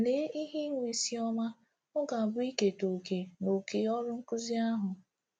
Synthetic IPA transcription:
le˨˦i˦ɦi˦ŋʷi˨si˦ɔ˦ma˦ | ʊ˦ɡa˨bʊ˦i˦ke˨to˨ke˨no˨ke˨ɔ˦ɾʊ˦ŋ̩˦kʊ˦zi˦a˦ɦʊ˨

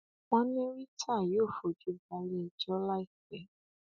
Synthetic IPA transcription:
mɔ̃˦nĩ˦ɾi˦tʰa˦˨joː˦˨fo˨d͡ʒu˨˦ba˧li˦i˨˧d͡ʒɔ˦la˦i˦˨kɛ˨˦

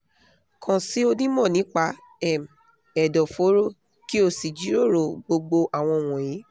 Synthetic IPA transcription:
kʰɔ̃˨si˨˦o˧nĩ˦mɔ̃˦˨nĩ˨˦k͡pa˦ | ɛ˦˨m̩˨ | ɛ˨dɔ˨fo˨˦ɾo˦˨ | ki˦o˧˨si˨d͡ʒi˨˦ɾo˦˨ɾo˨ɡ͡bo˧ɡ͡bo˧ʔa˨w̃ɔ̃˧˨w̃ɔ̃˨ji˨˦

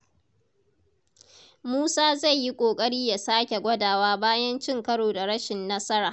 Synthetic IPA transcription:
muː˦saː˦za˦˨jːi˦kʷʼoː˨kʼɐ˦ɽiː˦ja˨saː˦kʲe˨ɡʷɐ˦daː˨waː˦baː˦jɐ˦nt͡ʃɪ˦ŋkɐ˦ɽoː˨da˨ɽɐ˦ʃɪ˨nːɐ˦sɐ˦ɾaː˨

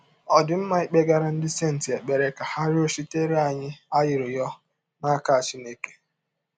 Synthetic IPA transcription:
ɔ˨dɪ˨m̩˦ma˦i˨k͡pe˦ɡa˦ɾa˦n̩˦dɪ˦se˦˨n̩˨tɪ˨e˨k͡pe˨ɾe˦ka˨ha˦ɾɪ˦o˦si˦te˦ɾi˦a˨ɲɪ˦a˦jɪ˨ɾɪ˨jɔ˦ | na˦ka˦˨t͡ʃɪ˦ne˦ke̥˦

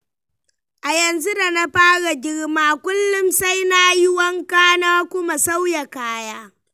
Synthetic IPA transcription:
ʔa˨jɐ˨nzu˦da˨na˦ɸaː˦ɽa˨ɡʲɪ˦ɽmaː˦kʷʊ˦lːʊ˦msa˦jna˦jɪ˦wɐ˦ŋkaː˦naː˦kʷʊ˦ma˨sa˦wja˨kaː˦jaː˦

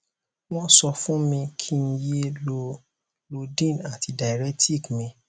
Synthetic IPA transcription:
wɔ̃˦sɔ˧fũ˦mĩ˧kʰi˦n̩˦je˦lo˧ | lo˧dĩ˦˨na˨ti˧da˨ɾɛ˦ti˦˨kmĩ˧

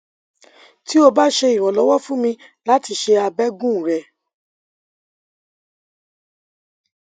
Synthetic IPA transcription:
ti˦o˧ba˦ʃe˧i˨w̃ɔ̃˨lɔ˨˦wɔ˦fũ˦mĩ˧la˦ti˧ʃe˧a˧bɛ˦ɡũ˦˨ɾɛ˨

